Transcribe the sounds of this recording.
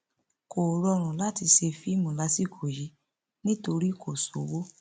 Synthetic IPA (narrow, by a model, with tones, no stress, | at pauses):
ko˨ɾɔ˧ɾ̃ũ˨la˦ti˧ʃe˧fi˦mũ˨la˧si˦˨kʰo˨ji˨˦ | nĩ˦to˧ɾi˦˨kʰo˦˨so˨˦wo˦